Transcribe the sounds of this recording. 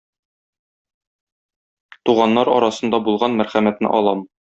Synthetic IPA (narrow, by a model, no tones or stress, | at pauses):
t̪uʁɑnːɑɾɒ̰ɾɑsɤ̆nd̪ɑbulˠʁɑnmæɾχæmæt̪nɘ̰ʔɒlˠɑm